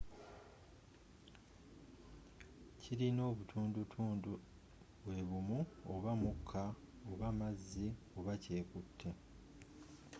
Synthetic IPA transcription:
ciɾino̞ːβutʰuːndutʰuːndu | βwe̞βumuoβamukʰːa | oβamazːi | oβace̞ːkutʰːe

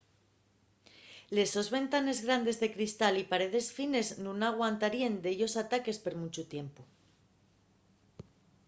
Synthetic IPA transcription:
le̞so̞zβe̞nt̪ane̞zɣɾand̪e̞zðe̞kɾist̪alipaɾe̞ð̞e̞sfine̞znũnaɣ̞want̪aɾiend̪eʝo̞sat̪ake̞spe̞ɾmut͡ʃut̪je̞mpo

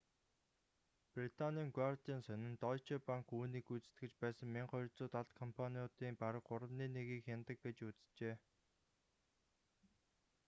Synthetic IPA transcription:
prit̪ʰanʲiːŋɡwart̪iːnsœnɪ̆nt̪ɔt͡ɕʰepaŋkuːniːkut͡sɘ̥̆t̪ɡɘ̆t͡ɕpæːsə̆ŋmiɴχɔjɪ̆ɮt͡sʊːt̪aɮt̪kʰɔmpʰaniʊt̪iːmpaɾə̆kːʊɾə̆mniːneɣiːkxʲant̪ə̆k̚ɡet͡ɕut͡st͡ɕeː

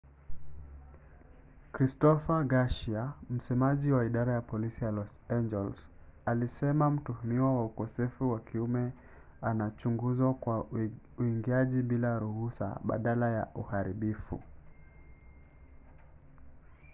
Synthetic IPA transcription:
kɾistɔfaɡaʃiam̩sɛmaʄiwaiɗaɾajapɔlisijalɔsand͡ʒɛlsalisɛmam̩tuhumiwawaukɔsɛfuwakʰiumɛ | anat͡ʃuŋɡuzakwa | uiŋɡiaʄiɓilaɾuhusa̰ɓa̰ɗalaja̰ʔuhaɾiɓifṵ

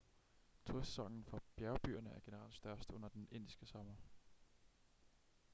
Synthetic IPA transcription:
t͡sʰuɐsːɒ̽ŋ̰n̩fɒ̽b̥jæɐʊb̥y̰ːɐnəæɐɡ̥e̝nəʁɑ̰̈ld̥sd̥ɶɐsd̥ɔ̽n̰ɐd̥ene̝n̰d̥isɡ̥əsɒ̽mɐ

